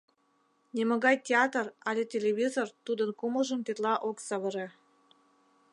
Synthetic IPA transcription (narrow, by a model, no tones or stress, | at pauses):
nʲemoɣɑjtʲeɑt̪ərɑlʲetʲelʲeβʲizort̪ud̪ənkuməʒə̆mt̪et̪lɑʔoksɑβəɾe